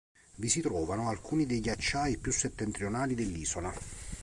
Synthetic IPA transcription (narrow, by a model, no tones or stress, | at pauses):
visit̪ɾɔːvanoalkuːnid̪ejʎːat͡ʃːaːipjusːet̪ːent̪ɾionaːlid̪elːiːzola